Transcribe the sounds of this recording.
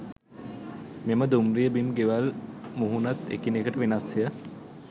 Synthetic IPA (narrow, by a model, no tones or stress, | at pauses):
meməd̪umrijəbimɡeʋalmuɦunat̪ḛkinekəʈəʋenasjə